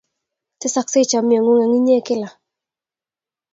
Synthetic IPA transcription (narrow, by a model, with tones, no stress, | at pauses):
tɪ˦sa˦ksɪ˦˨t͡ʃa˨mjɔ˨ŋʊ˦ŋɛ˨ŋi˦ɲe˦˨kɪ˦la˨